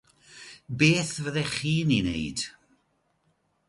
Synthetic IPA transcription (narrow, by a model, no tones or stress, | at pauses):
beːθvəðɛχiːninḛjd̥